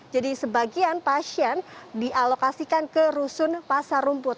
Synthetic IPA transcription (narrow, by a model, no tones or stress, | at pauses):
d͡ʒadisəbaɡianpasiɛndiʔalokasikankəɾusʊnpasarumpʊt̪̚